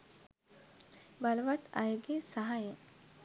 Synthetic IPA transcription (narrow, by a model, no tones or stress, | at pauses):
balʋat̪ʰa̰jɡesaɦaje